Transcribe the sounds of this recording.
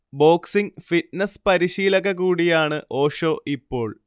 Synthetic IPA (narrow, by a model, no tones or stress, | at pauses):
bo̞ːksiŋfitnɐspɐɾiɕiːlɐɣɐɣuːɽijaːɳɨʔo̞ːʂo̞ːʔipːo̞ːɭ